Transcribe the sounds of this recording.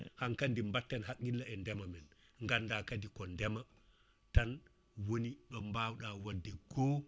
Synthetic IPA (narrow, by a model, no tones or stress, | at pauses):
hankandimbatːɛnhakːilːaɛndɛmamɛn | ŋɡandakadikɔndɛma | tan | woniɗɔmbawɗawadːɛɡ̥ɔː